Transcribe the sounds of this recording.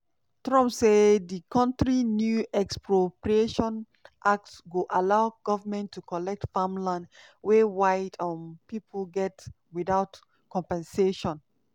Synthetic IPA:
tɹɔ̃mpsedikʰɔ̃ntɹinjuʔɛkspɹopɹieʃɔ̃n | ʔak̚tswuʔalaʊɡ̥ɔvəmɛ̃ntʰːukʰɔlɛk̚tfamlãn | wewaɪtʰɔ̃npipʰlɡɛt | wiðaʊt | kɔ̃mpɛ̃nseʃɔ̃n

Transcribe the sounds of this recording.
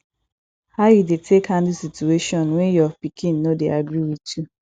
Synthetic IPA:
haʊjudetʰekhãndisitueʃɔ̃nwɛnjɔpikʰĩnːodeaɡɾiwitu

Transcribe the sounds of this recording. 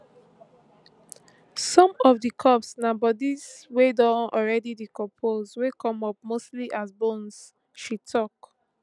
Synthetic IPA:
sɔ̃mɔfdikʰɔpsnãmbɔdiswedɔ̃nɔlɹɛdidikɔ̃pʰoswekʰɔ̃mɔp̚mostliʔazbõns | ʃitʰɔk

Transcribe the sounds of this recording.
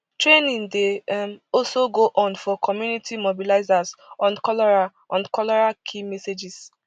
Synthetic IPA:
tɹenĩŋdemɔlsoɡoʔɔ̃nfɔkʰɔmjunitʰimobilaɪzasɔ̃nkɔlɔɹa | ɔ̃nkɔlɔɹakʰimɛsed͡ʒis

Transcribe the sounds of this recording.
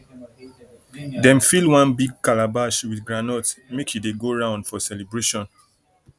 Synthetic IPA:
dɛ̃mfilwãnbiɡ̚kalabaʃwidɡɹanɔtmekjudeɡoɹãʊ̃ndfɔsɛlibɹeʃɔ̃n

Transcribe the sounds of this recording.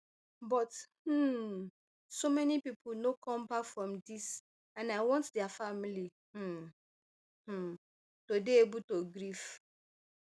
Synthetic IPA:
bɔth̩ | somɛnipipʰnokʰɔ̃mbakfɹɔ̃mdis | ãnaɪwɔ̃ntdɛafamili | h̩ | h̩ | todeebutoɡɾif

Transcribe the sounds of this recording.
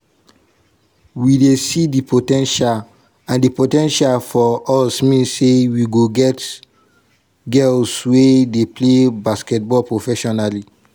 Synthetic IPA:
widesidipotɛ̃nʃal | ãndipotɛ̃nʃalfɔɔsmĩnsːewiɡoɡɛt | ɡɛlswedeplebaskɛt̚bɔpɹofɛʃɔnali

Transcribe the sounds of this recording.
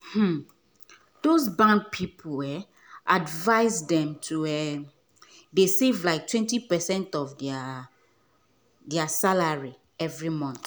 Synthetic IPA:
hm̩ | d̥ozbãnd̚pʰipʰulɛ | ʔadvaɪzdɛ̃mtʰuɛ | desevlaɪk̚tʰwɛ̃ntipɛsɛ̃ntɔvd | dɛasalaɹi | ɛvɹimɔ̃nθ

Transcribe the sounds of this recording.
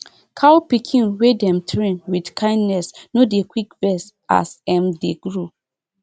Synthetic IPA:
kʰawpikʰĩnwedɛ̃mtʰɹĩnwidkʰãɪ̃ndnɛsnodekwikvɛs | a̰sɛ̃mdeɡɹu

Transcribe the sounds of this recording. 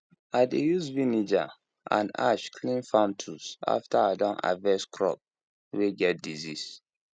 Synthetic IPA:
adejuzvinid͡ʒa | ʔã̰na̰ʃkʰlĩnfãmtʰusa̰ftaadãna̰vɛskʰɹɔ̰p̚ | weɡɛt̚dizis

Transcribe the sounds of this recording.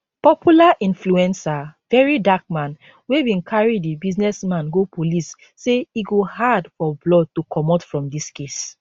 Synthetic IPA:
pɔpʰjulaʔĩnfluɛ̃nsavɛɹidak̚mãn | webĩnkʰaɹidibiznɛsmãnɡopolisː | eiɡohadfɔblɔd̚tukʰɔmɔtfɹɔ̃mdiskes

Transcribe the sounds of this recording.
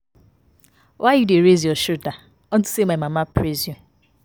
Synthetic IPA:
wʔajideɾezɔʃuta | ɔtu̥semamamapɾeziɔ

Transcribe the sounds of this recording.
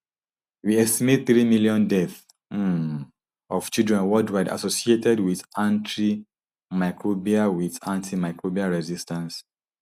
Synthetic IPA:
wiɛstimed̚θɹimiljɔ̃ndɛθ | ʔɔv̥t͡ʃildɹɛ̃nwɔldwaɪda̰sosietɛdwiðãntʰɹi | makʰɹobiawiðãntʰimaɪkɹobiaɹɛzistãns

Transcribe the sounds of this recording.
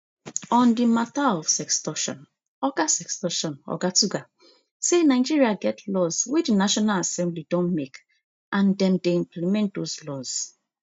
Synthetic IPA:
ɔ̃ndimataɔfsɛkstɔʃɔ̰̃n | ɔɡasɛkstɔʃɔ̃nɔ̰ɡatuɡa | senaɪd͡ʒiɹiaɡɛtʰlɔzwedinaʃɔnalasɛ̃mblidɔ̃nmek | ʔãndɛ̃mdeĩmpʰlimɛ̃nt̚dozlɔz̥

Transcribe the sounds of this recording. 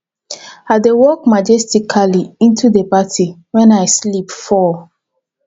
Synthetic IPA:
adewɔk̚mad͡ʒɛstikʰaliĩntudəpatʰiwɛ̃naɪslipfɔ

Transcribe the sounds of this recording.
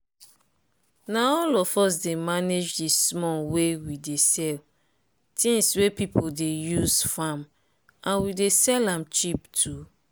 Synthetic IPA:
naɔlɔfɔs̬demaned͡ʒdismɔwewidesɛl | tʰĩŋswepipʰodejuzfam | ãnwidesɛlãmt͡ʃiptʰu

